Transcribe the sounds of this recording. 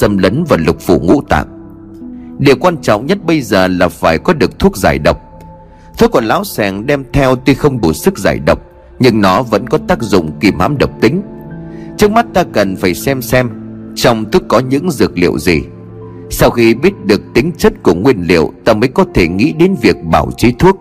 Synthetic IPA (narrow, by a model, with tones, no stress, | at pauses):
ə˧mləː˨˦nvaː˨˩lʊ˨˩k͡p̚fṵ˧˩ŋṵ˧˥t̪a̰ː˧˨ŋ | ɗi˨˩əwkwaː˧nt͡ɕɔ̰˧˨wŋ͡mɲə˦˥t̚ɓə˧jzəː˨˩laː˨˩faː˧˩jkɔ˨˦ɗɨ˨˩ək̚t̪ʰu˦˥ək̚zaː˧˩jɗə˨˩wk͡p̚ | t̪ʰu˦˥kːɔ˧˨˩nlaː˨˦wsɛ˨˩ŋɗɛ˧mt̪ʰɛ˧wt̪i˧xə˧wŋ͡mɗu˧˩sɨ˦˥k̚za̰ː˧˩jɗə˨˩wk͡p̚ | ɲɨ˧ŋnɔ˨˦və̰˧˥nkɔ˨˦t̪aː˦˥k̚zʊ̰˧˨ŋ͡mki˨˩mha̰ː˧˥mɗə˨˩wk͡p̚t̪ï˨˦ŋ̟ | t͡ɕɨ˦˥ək̚ma˦˥t̚t̪aː˧kə˨˩nfaː˧˩jsɛ˧msɛ˧m | t͡ɕɔ˧wŋ͡mt̪ʰu˦˥əkːɔ˨˦ɲɨ̰˧˥ŋzɨ˨˩ək̚lḭ˧˨əwzḭ˨˩ | sa˧wxi˧ɓi˦˥ət̚ɗɨ˨˩ək̚t̪ï˨˦ŋ̟t͡ɕə˦˥t̚ku˧˩əŋwi˧ənlḭ˧˨əwt̪aː˧məː˨˦jkɔ˨˦t̪ʰe˧˩ŋḭ˧˥ɗe˨˦nvi˨˩ək̚ɓa̰ː˧˩wt͡ɕe˨˦t̪ʰu˦˥ək̚